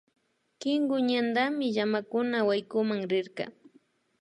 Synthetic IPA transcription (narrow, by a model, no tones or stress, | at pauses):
kɪŋɡʊɲand̪amɪʎamakʊnawajkʊmaŋɾɪɾkɑ̰